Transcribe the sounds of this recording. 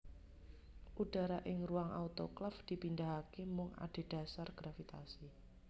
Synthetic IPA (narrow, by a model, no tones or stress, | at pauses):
ʔud̥a̤ɾaʔɪŋruaŋʔa̰ut̪oklafd̪̥i̤pindaɦakemʊŋa̰d̥e̤d̥a̤sarɡ̥ɾafit̪a̰si